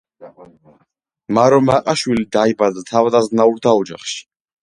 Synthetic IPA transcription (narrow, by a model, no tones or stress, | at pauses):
maɾɔmaqʼaʃwilid̪aibad̪at̪ʰavad̪aznauɾt̪ʰaɔd͡ʒa̰χʃi̥